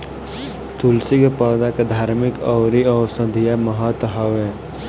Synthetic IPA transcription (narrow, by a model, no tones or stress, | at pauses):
t̪ulsɪkpɔːd̪aked̪ʱaːɾmɪkɔwɾiɔːsə̃d̪ʱijaməɦət̪ɦəwe